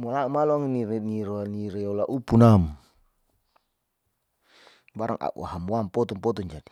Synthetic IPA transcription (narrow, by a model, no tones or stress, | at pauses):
mɔlaumalɔaŋniniɾniɾeɔlaʔupunam | baɾa̰ŋa̰ʔṵaɦamuampɔt̪ɔŋpɔt̪ɔŋd͡ʒadi